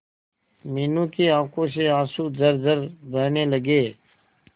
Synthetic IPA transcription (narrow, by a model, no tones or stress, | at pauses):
miːnũːkeːãːkõːs̬eːãːsuːzəɾzəɾbʱəːneːləɡeː